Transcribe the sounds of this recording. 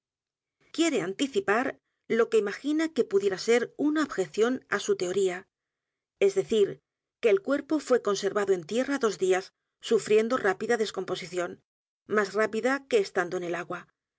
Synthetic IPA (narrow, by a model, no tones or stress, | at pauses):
kje̞ɾe̞ant̪iθipaɾ | lo̞ke̞imaxinake̞puðje̞ɾase̞ɾunaoβxe̞θjo̞na̰sut̪e̞o̞ɾia | e̞zðe̞θiɾ | ke̞ːlkwe̞ɾpo̞fwe̞ko̞nse̞ɾβaðo̞e̞nt̪je̞raðo̞zd̪iasː | ufɾje̞nd̪o̞rʔapiðaðe̞sko̞mpo̞siθjo̞n | masrapiðake̞ːst̪and̪oene̞laɣwa